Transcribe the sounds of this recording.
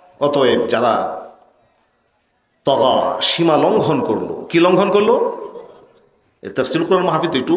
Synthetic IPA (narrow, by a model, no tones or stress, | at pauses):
ɔt̪oed͡ʑaɾa̰ | t̪ɔka̰ʃimalɔŋɡʱɔnkoɾlo̰kilɔŋɡʱɔnkoɾlo | ḛɾt̪ɐfsilkuɾaɾmaɦafit̪ekʈu